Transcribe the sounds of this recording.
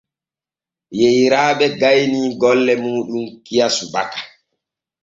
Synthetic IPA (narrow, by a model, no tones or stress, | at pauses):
jejɾaːɓɛɡajniɡɔlːɛmuːɗumkijasubakḁ